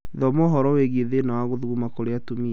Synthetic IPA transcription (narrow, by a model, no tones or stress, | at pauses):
ðɔmoɦɔɾɔweɣieðenawaɣoðuɣumakoɾeatomiɛ